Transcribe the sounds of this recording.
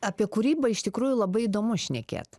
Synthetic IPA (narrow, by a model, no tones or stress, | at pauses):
ɐpʲiɛkʊɾʲiːbɐɪʃt̪ʲɪkɾuːjʊlˠɐbɐɪid̪oːmʊʃʲnʲɛkʲḛːt̪